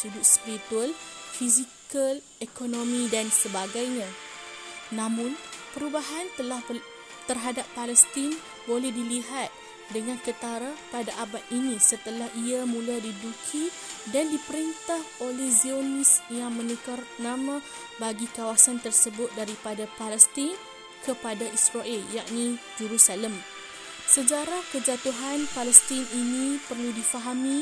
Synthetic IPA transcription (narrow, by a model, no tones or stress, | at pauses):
sudʊʔ̪spiɾit̪ualfizikal | ekonõmĩdansəbaɡajɲã | nãmʊ̃npəɾubaɦant̪əlah | t̪ərɦadapːalɛst̪in | bolɛhdiliɦat̪̚ | dəŋankət̪aɾapadaʔabaʔ̪inĩsət̪əlahiamũladidukʰi | dandipəɾint̪aholɛhzionisjaŋmə̃nikarnãmã | baɡikawasant̪ərsəbʊt̪̚daɾipadapalɛst̪ɪn | kəpadaʔisraʔɛljaʔ̚nĩd͡ʒəɾusaləm | səd͡ʒaɾahkəd͡ʒat̪uɦanpalɛst̪ɪninĩpərludifaɦamĩ